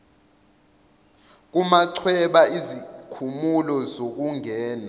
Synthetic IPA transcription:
k̬umaǀʰwɛɓaizikʰumulɔzok̬uŋɛːna

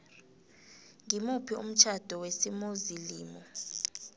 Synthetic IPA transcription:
ŋimupʰiṵm̩t͡ʃʰad̥ʱɔwesimuziliːmɔ

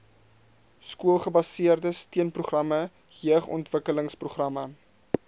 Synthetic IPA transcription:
skuəlˠχəbɐsiərdəstiənpruχrɐmə | jiəχɔ̰ntvəkələŋspruχrɐmə

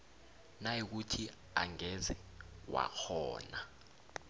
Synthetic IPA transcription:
najik̬utʰi | aŋɛzɛwa̰k͡xʰɔ̰ːna

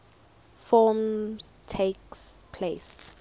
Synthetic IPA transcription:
fɔmztʰekspʰles

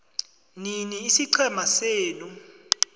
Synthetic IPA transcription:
niniːsiǀʰɛmaseːnu

